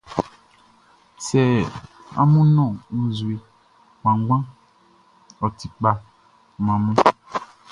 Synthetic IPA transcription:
sɛ˨ | a̰˦mũ˦nɔ̃˦˨ũ˨zu˨e˨ | mã˨˦ɡ͡bã˦ | ɔ˨ti˨k͡pa˨ | m˨ã˨mũ˦

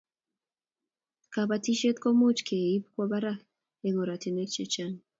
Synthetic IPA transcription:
ka˨βa˨ti˦ʃe˦t̪̚ko˦mu˦t͡ʃkʰe˨i˦pkwa˦βa˦ɾa˦ | e˨ŋo˨ɾa˨ti˨ne˦t͡ʃe˦t͡ʃa˦n

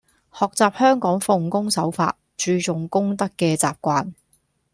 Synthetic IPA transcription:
hɔː˨k̚t͡saː˨p̚hœː˥ŋkɔː˨˥ŋfʊ˨˧ŋkʊ˥ŋsɐ˨˥wfa̰ː˧t̚t͡ʃyː˧t͡sʊ˨ŋkʊ˥ŋt̪ɐ˥kːɛː˧t͡sa̰ː˨p̚kʷaː˧n

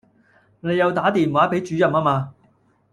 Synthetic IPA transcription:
ne˨˧jɐ˨˧wt̪aː˨˥t̪iː˨nwaː˨˥pe˨˥jt͡ʃyː˨˥jɐ˨maː˥maː˧

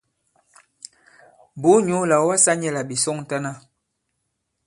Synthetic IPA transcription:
bo˨˦ɲu˨˦la˨˦wa˦sa˦ɲɛ˨la˨bi˨sɔ˦ŋ˨ta˦na˦

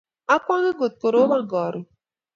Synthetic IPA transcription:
a˦kwa˦ɡe˦ɡo˨t̪̚ko˨ɾo˦ma˦ɡɔ˨ɾo˨

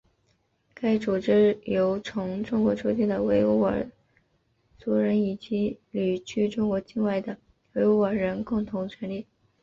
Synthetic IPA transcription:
ka˥˩ɪʈ͡ʂu˨˩ʈ͡ʂɻ̩˥jo˧˥ʊʈ͡ʂʰʊ˧˥ŋʈ͡ʂʊ˥ŋkwɔ˧˥ʈ͡ʂʰu˥t͡ɕi˥˩d̪ə˩we˧˥ɪu˥˩ə̰˨˩ | t͡su˧˥ɻə˧˥ni˨˩t͡ɕi˧˥ly˨˩t͡ɕʰy˥ʈ͡ʂʊ˥ŋkwɔ˧˥t͡ɕi˥˧nwa˥˩ɪd̪ə˩ | we˧˥ɪu˥ə˞˨˩ɻə˧˥nkʊ˥˩ŋt̪ʰʊ˧˥ŋt͡ɕʰɥɛ˧˥nli˥˩

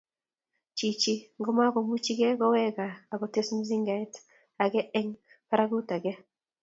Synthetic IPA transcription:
t͡ʃi˨t͡ʃi˦ŋɡɔ˦ma˦ɡɔ˨mu˦t͡ʃi˦ɡɛ˦ɡɔ˦wɛ˦ɡaː˨ɡɔ˨te˦sm̩˦zi˦ŋɡa˨ɛ˦t | a˨ɡɛ˦ɛ˦ŋ | pa˦ɾa˦ɡu˦ta˨ɡɛ˦

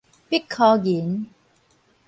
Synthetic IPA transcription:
pi˦˥kʰːɔː˧jiː˨˦n

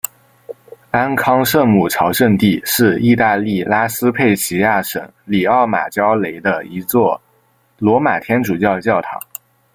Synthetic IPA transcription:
a˥nkʰɑ˥ŋʂɤ˥˧mu˨˩ʈ͡ʂʰɑ˧˥ʊʂə˥˧nt̪i˥˩˧ʂɻ̩˥˧i˥˧t̪a˥˧li˥˩la˥sɹ̩˥pʰe˥˩ɪɕʰi˧˥ja˥˩ʂə̰˨˧˥ŋli˨˩ɑ˥˩ʊma̰˨˩t͡ɕjɑ˥ʊle˧˥ɪd̪ə˧i˧˥t͡swɔ˥˩ | lwɔ˧˥ma˨˩t̪ʰjɛ˥nʈ͡ʂu˨˩t͡ɕjɑ˥˧ʊt͡ɕjɑ˥˩ʊt̪ʰɑ̰˨˧˥ŋ

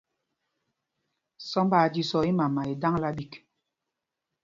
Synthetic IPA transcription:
sɔ˦mbaː˨d͡ʒi˦sɔ˨i˦ma˨ma˨i˨da˦ŋla˦ɓi˨k

